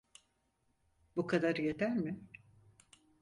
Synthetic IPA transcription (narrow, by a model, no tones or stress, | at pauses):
bukʰad̪aɾjed̪æɾmɪ